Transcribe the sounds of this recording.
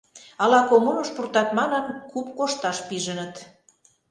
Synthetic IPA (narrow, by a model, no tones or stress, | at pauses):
ɑlɑkomunoʃpurt̪ɑt̪mɑnənkupkoʃt̪ɑʃpiʒənə̆t̪